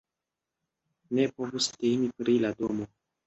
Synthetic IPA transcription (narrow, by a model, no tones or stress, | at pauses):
ne̞po̞vustejnipɾilado̞mo̞